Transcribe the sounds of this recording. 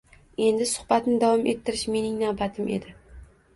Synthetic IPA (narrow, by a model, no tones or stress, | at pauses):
e̞nd̪ɪsʊ̥hbat̪nɪd̪avɒmʔet̪ʰːɪɾɪʃme̞nɪŋnavbat̪ʰɪmʔe̞̰d̪ɪ